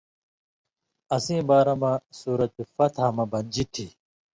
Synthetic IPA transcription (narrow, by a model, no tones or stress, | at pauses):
ɐsĩːbaːɾɐmasuːɾɐt̪ifɐt̪ɦamɐbɐnd͡ʑitʰi